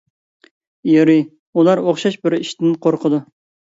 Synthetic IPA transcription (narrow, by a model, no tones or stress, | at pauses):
jeɾi | ulˠɑɾoχʃɑʃbɪɾiʃt̪ɪnqʰoɾqʰəd̪u